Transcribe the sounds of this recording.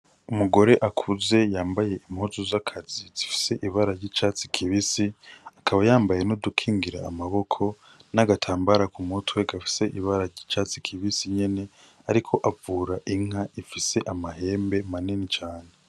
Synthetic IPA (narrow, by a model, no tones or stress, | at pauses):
umuɡo̞ɾe̞ʔakʰuze̞jaːmbaje̞imhuzuzakʰazizifi̥se̞ʔiβaɾaɾɟiːt͡ʃaːt͡si̥kʰiβisiakʰaβajaːmbaje̞nodukʰiːŋɡiɾa̰ːmaβo̞kʰo̞ | naɡatʰaːmbaɾakumutwe̞ɡafi̥se̞ʔiβaɾaɾɟit͡ʃaːt͡si̥kʰiβisiɲe̞ne̞ | aɾikʰo̞ʔavuːɾaʔiŋ̥aʔifise̞ʔamahe̞ːmbe̞manenit͡ʃaːne